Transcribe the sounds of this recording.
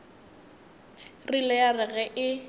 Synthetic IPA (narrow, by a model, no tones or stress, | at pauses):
rilɛjarɛɣɛʔɪ